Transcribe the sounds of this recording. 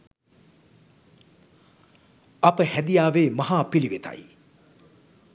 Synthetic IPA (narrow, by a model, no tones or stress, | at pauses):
ɐpəhæd̪ijaːʋeːmɐɦaːpiliʋet̪a̰j